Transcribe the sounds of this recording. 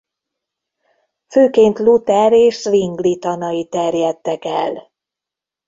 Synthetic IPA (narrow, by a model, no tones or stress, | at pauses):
føːkeːnt̪lut̪ɛɾeːʃsʋiŋɡlit̪ɒnɒjit̪ɛrjɛt̪ːɛkɛl